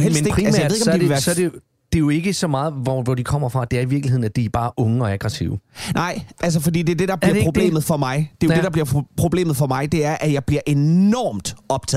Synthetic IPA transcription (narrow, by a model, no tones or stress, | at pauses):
ɦel̰ælsmjeð̩̰ˠeɡmd̥eʋæsɒde | d̥e̝jo̝e̝ɡ̥əsɒ̽mɑ̈ːð̞̩ˠʋɒʋɒd̥ikʰɒ̽m̰ɐfʁɑ̈d̥e̝æɐiʋiɐɡ̥lihe̝ð̰ˠnæd̥ib̥ɑ̈ːʔɔ̽ŋəɒ̽æɡ̥ʁɛsḭʊnʔɑ̈ɪ̰æls̬əfɒ̽d̥ḭːd̥e̝ɐd̥e̝d̥ɑ̈b̥liɐpʁo̝b̥le̝̰ːmð̞̩ˠfɒ̽mɑ̈ɪd̥e̝jode̝d̥ɑ̈bliɐpʰʁo̝b̥le̝̰ːmð̩ˠfɒ̽mɑ̈ɪd̥e̝æɐʔæjɑ̈ɪb̥liɐʔe̝nɒːmd̥ɒ̽b̥t͡sʰɛ̰ð̩ˠ